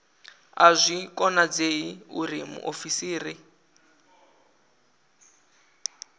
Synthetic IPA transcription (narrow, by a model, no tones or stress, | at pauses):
azʷikɔnad͡zeiuɾimṵʔofisiːri